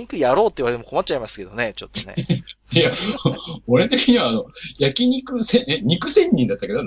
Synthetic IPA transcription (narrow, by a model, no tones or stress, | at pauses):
ɲikɯ̟jaɾo̞ːt̪ːeiβaet̪emoko̞mat͡ɕ̚ːt͡ɕaimasɨ̥ke̞d̪o̞ne̞t͡ɕo̞t̪ːnḛ | ja | oɾet̪e̞kʲiɲ̟iβaːno̞jakʲiɲ̟ikɯsẽɲ̟ikɯ̟sẽ̞ɲ̟ːĩnd̪at̪ːaked̪o